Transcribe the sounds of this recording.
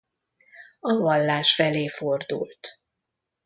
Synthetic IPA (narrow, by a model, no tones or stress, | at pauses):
ɒvɒlːaːʃfɛleːfo̞rd̪ṵlt̪